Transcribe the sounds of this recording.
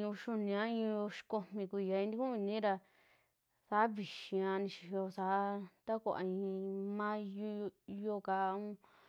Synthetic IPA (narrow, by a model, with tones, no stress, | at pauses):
ũ˧ʃu˧nĩ˧ã˦ĩ˧o˧ʃi̥˧ko˧mĩ˧ku˧˨a˧ĩ˧d̪i˦kũ˦ĩ˧nĩ˦ɾa˧ | sa˨˦βi˨ʃĩ˧ã˧nĩ˧ʃi̥˧ho˧sa˨˦t̪a˦kʷa˧ʔa̰˧ĩ˧mã˦˧ | jo˧ka˧ũ˦